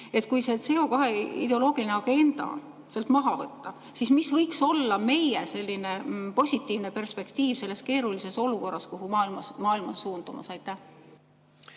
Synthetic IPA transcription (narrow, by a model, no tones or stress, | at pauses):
e̞t̪̚ˑkujse̞t̪se̞o̞kɑɦe̞ḭd̪e̞o̞loːɡ̥ilineɑɡ̥e̞nd̪̥ɑ̰ | selt̪mɑɦɑvɤt̪ːɑ | sismisvɤjkso̞lːɑme̞jese̞lʲːine̞po̞sʲit̪ːˑiːvne̞pe̞rspe̞kt̪iːvse̞lːeske̞ːɾulise̞so̞luko̞rːɑskoɦumɑːilmɑsmɑːilmɑsːuːnd̪̥umɑ̰sɑjt̪ːˑæh